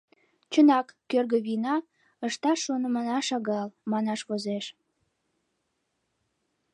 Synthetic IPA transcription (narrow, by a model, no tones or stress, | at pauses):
t͡ɕənɑkːørɣəβinɑ | əʃt̪ɑʃonəmənɑʃɑɣɑlmɑnɑʃβozeʃ